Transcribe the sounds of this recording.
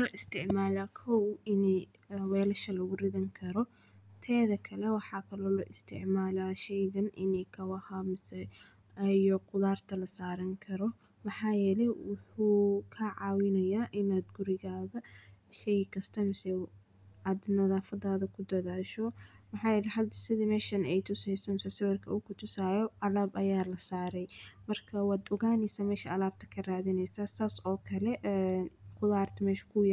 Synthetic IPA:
lɔːʔɪst̪ʰɪʕmaːlaːkʰɔwɪnɛj | wɛːlɐʃɐlɐɣʊrɪðɐŋkʰɐɾɔ | t̪ʰɛːðɐkʰɐlɛwɑħɑːkʰɐlɔːlɔ̰ːʔɪst̪ʰɪ̰ʕmaːlaːʃɛjɣɐnʔɪ̰nɛjkʰɐwɑhaːmɪsɛ | jɔqʊðaːrt̪ʰɐlɐsaːɾɐŋkʰɐɾɔ | mɑħɑːjɛːlɛwʊħuːkʰaʕɑ̰ːwɪnɐjaːʔɪnaːd̪ɡʊɾɪɣaːðɐʃɛjkʰɐst̪ʰɐmɪsɛ | aːd̪nɐðaːfɐdaːðɐkʰʊd̪ɐðaːʃɔmɐħɑːjɛːlɛɦɐd̪ɐsɪðimɛːʃɐnɛjt̪ʰʊsɛjsɐmɪsɛsɐβɐrkʰɐ̰uːkʰʊt̪ʰʊsaːjɔʔɐlaːbɐjaːlɐsaːɾɛjmɐrkʰɐwɑːd̪ʊɣaːnɪsɐmɛːʃɐɐlaːb̚t̪ʰɐ̥kʰɐraːðɪnɛjsasaːsɔːkʰɐlɛʔnkʰʊðaːrt̪ʰɐmɛːʃɐ̥kʰʊj

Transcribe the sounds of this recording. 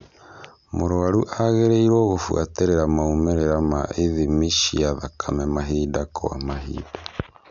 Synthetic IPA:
moɾoaɾuʔaɣeɾeiɾwoɣofwa̰teɾeɾamaumeɾeɾama̰ʔeðimiʃiaðakʰamɛmaɦiːdako̰wa̰maɦḭːda

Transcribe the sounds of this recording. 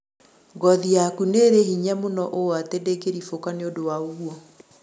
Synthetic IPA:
ɡɔðijakuneɾehiɲamonɔʔoatedekeɾifokaneodowaoɣuɔ

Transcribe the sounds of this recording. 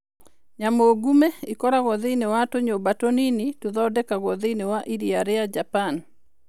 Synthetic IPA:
ɲamoɡumeikɔɾaɣɔðeinewatoɲobatoninituðɔɔdɛkaɣɔðɪnewaʔiɾiaɾɪad͡ʒapan

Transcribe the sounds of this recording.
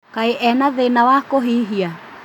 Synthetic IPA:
kaiʔɛnaðenawakoɦiɦia

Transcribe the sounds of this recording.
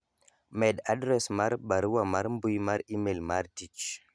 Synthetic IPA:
mɛdadɾɛsmaɾbaɾwamaɾmbujmaɾimelmaɾtit͡ʃ

